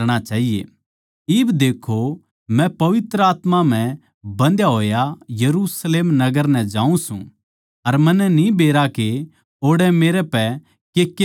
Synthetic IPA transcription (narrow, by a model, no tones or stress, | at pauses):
ɽ̃at͡ʃaːɦijḛ | ɪbd̪eːkʰo | mɛ̃pɐʋɪt̪ɾəaːt̪mam̤ɛ̃ | bɐ̃nd̪jaɦoːjajɐɾusleːmnɐɡəɾnɛ̃d͡ʒãːũsṵ̃ | ɐɾmɐ̃nːɛnĩbeːɾake | oːɽɛmeːɾɛpɛ | kek